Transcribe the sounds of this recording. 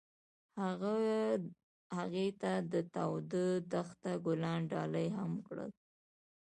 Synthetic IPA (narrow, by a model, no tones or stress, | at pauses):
haɣa | haɣet̪ad̪ət̪awd̪əd̪axt̪aɡʊlɑnɖɑləjɦamkɽə̰l